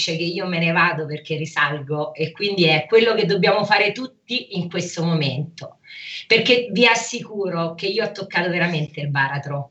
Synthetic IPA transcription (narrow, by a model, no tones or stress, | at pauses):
t͡ʃek̟eiːomenevaːd̪operk̟erːisalɡoekːwind̪iɛkːwelːoked̪ːobːjaːmofaːɾet̪ut̪ːiiŋkwest̪omoment̪o | perkeviasːikuːɾok̟eiːoɔt̪ːokːaːt̪oveɾament̪eilbaːɾat̪ɾo